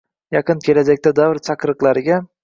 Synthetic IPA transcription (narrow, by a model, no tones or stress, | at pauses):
jɑqɨnkʲʰe̞lad͡ʒak̚ʲt̪ad̪avɾt͡ʃʰaqɾɨqlˠaɾɪɡʲa